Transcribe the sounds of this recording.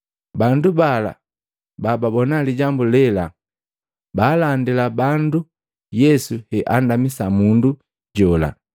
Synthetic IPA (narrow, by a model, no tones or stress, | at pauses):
bandubala̰ | bababɔnaliɟambulɛla | baːlandilabandu | jɛsuhɛʔandamisamundu | ɟɔla̰